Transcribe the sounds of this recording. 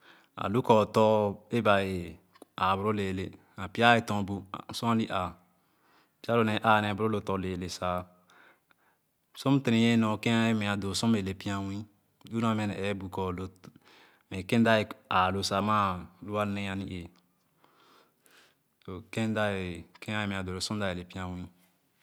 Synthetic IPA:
a̰˨lu˦kɔː˨tɔ˦e˦ba˨e˨ | a˨bu˨ɾo˦le˨le˨ | a˨pi˦a˦e˨tɔ̃˨bu˨sɔ̃˦a˦li˦ʔa˨ | pi˦a˦lo˦˨nɛ̃˨˦ʔaː˨nɛ˨bu˨ɾo˦lo˨tɔ˨leː˨le˨sa˨ | sõ˦m˦te˨ɾĩ˨je˦nɔ̃˨kẽ˦a˦e˦mɛ̃˨a˨do˨sɔ̃˦m˦e˨le˨pi˦ã˦wĩ˦ | jũ˦ã˨mɛ̃˦nɛ˨ɛ˨˦bu˨kɔ˨lo˨ | mɛ̃˨kẽ˦n˦da˦e˨a˨lo˨sa˨ma˦lu˦a˦nẽ˦a˨ni˦ʔe˨ | to˨kẽ˦n˦da˦e˨kɛ̃˦a˦e˦mɛ̃˨a˨do˨lo˨sɔ̃˦da˨e˨le˨pi˦ã˦wĩ˦

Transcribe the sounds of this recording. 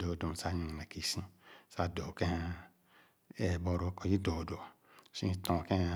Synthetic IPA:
do˨do˨m˨sa˦ɲũ˨ne˨ki˨sĩ˦sa˦do˨kẽ˦ | e˨bo˨ɾo˦ko˨ji˦do˨do˨ | sĩ˦tõ˨kẽ˦

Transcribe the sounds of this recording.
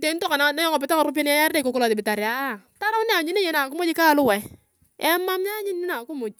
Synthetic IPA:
te˨˦ntɔ˦ka˨na˨na˦jɔ˦ŋɔ˨pɪ˨ta˦ka˨ɾʊ˦p̬je˦n˦ja˦ja˦rde˦˨ko˨˦kɔ˦lɔ˨te˨bɪ˨ta˨ɾja˨˦˨ | ta˦ɾa˦wnɪ˦a˨ɲɪ˦ne˦jɛ˦na˨kʊ˦mʊ˦t͡ʃɪ˦ka˦˨˦lʊ˦wa˨˦ | ɛ˦ma˦mɲa˦ɲɪ˦nː˦ɪ˦na˨kʊ˦mʊ˨t͡ʃ̚

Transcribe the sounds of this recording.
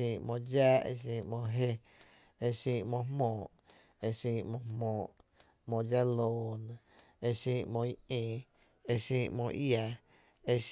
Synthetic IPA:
ĩ˧˨mõ˧d͡ʒa˦ḛ˧ʃ̬ĩ˧mõ˧ɦe˦ | e˧ʃĩ˧mõ˧mmõː˨ʔ | e˧ʃĩː˧mõ˧hmɔ̃ː˨ʔ | mõ˧d͡ʒa˦loː˨nẽ˨ | e˧ʃĩː˧mõ˧i˦ẽː˨ | e˧ʃĩː˦˧mõ̰˧ja˧ | e˧ʃ

